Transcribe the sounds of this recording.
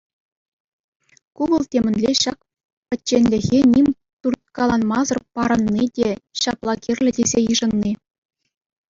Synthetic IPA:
kuʋɤ̆lˠtʲemʲɘ̆nʲlʲeɕɑk̚ | pʲɘ̆ːenʲlʲɘ̆ɣʲenʲimʲ | t̪urt̪̚kɑlˠɑnmɑzɤ̆rpɑɾɤ̆nːidʲeɕɑplˠɑkʲirʲlʲɘ̆dʲezʲejɯʐɤ̆nːi

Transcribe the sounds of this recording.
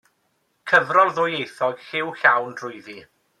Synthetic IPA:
kʰəvrɔlˠðʊːjejθɔɡ̥hɪwɬawnd̥rʊjði

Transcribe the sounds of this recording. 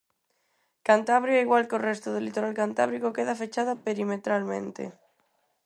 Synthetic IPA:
kant̪aβɾjoiɣwalkorest̪oð̞elit̪oɾalkant̪a̰βɾikokeðafet͡ʃaðapeɾimet̪ɾalmḛ̃nt̪ḛ

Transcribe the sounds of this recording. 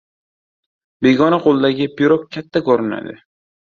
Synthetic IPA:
be̞ɡʲɒnaqʰolˠd̪aɡʲɪpʰiɾok̚ʲʰːat̪ʰːakʰoɾɪna̰d̪ɪ̰

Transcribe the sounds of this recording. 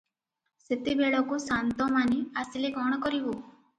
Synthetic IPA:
sit̪ibeɭɔkusant̪ɔmaniasileɡɔɽ̃ɔkɔɾibu

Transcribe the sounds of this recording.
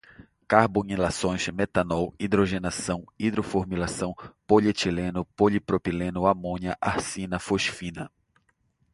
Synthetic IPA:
kaɾbõnilasõj̃ʃmet̪anɔwid̪ɾoʒenasɐ̃w̃id̪ɾofoɾmilasɐ̃w̃poʎet͡ʃilẽnʊpoʎipɾopilẽnʊamõniɐʔahsĩnɐfoʃfĩnɐ

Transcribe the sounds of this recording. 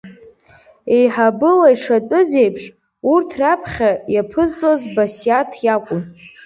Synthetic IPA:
ejħabɨlaiʂatʼʊzejpʰʂ | urtʰrapʰχʲajapʰɨzt͡sʼozbasijatʰjakʷʼʊm

